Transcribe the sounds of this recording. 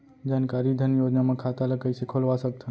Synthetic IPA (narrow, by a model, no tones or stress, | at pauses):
d͡ʒaːnkaɾid̪ʱənjod͡ʒnamẽkʰat̪aləkəjsekʰolʋasək̚t̪ʰən